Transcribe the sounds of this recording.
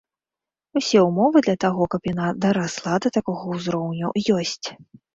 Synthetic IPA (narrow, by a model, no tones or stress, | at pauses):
usʲɛumɔvɨd̪lʲɐt̪aɣɔkɐpjanad̪ɐɾaslˠad̪ɐt̪akɔɣɐwzɾɔwnʲujɔsʲt͡sʲ